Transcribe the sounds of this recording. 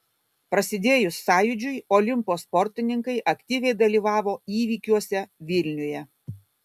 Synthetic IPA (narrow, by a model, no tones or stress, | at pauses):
pɾɐsʲɪd̪ʲeːjʊsːɑːjʊd͡ʒʲʊjɔlʲɪmpoːspɔɾʲt̪ʲɪnʲɪŋkɐɪʔɐkʲt̪ʲiːʋʲɛɪd̪ɐlʲiːʋɑːʋoːiːʋʲiːkʲuɔsʲɛʋʲɪlʲnʲʊjɛ